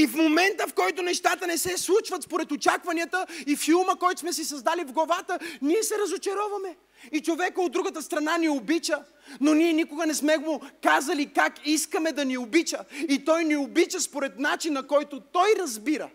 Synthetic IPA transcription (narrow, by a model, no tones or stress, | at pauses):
ifmomɛnt̪əfkɔjt̪onɛʃt̪at̪ənɛsɛslˠut͡ʃvɐt̪spoɾɛt̪ot͡ʃakvɐnʲiət̪əifilˠməkɔjt̪ʊ̥smɛsisɐzd̪alivɡlˠɐvat̪əniɛsɛɾɐzot͡ʃɐɾɔvɐmɛ | it͡ʃovɛkəod̪ːɾuɡət̪əst̪ɾɐnaniobit͡ʃə | noniɛnikʊɡɐnɛsmɛɡokazɐlikakiskəmɛd̪ɐniobit͡ʃəit̪ɔjniobit͡ʃəspoɾɛt̪nat͡ʃinːɐkɔjt̪ot̪ɔjɾɐzbiɾə̰